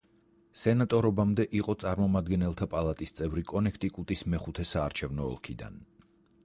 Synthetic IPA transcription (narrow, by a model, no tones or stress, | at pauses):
sɛnat̪ʼɔɾɔbamd̪ɛʔiqʼɔt̪sʼaɾmɔmad̪ɡɛnɛlˠt̪ʰapʼalˠat̪ʼist̪sʼɛvɾikʼɔnɛkʰt̪ʼikʼut̪ʼismɛχut̪ʰɛsaːɾt͡ʃʰɛvnɔ̰ːlˠkʰid̪a̰n